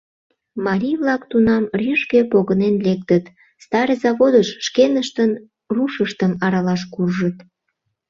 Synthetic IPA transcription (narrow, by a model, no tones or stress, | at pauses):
mɑɾʲijβlɑkt̪unɑmrʲyʃkepoɣənenlek̚t̪ət̪ | st̪ɑɾezɑβod̪əʃːkenəʃt̪ən | ruʃəʃt̪əmɑɾɑlɑʃkurʒət̪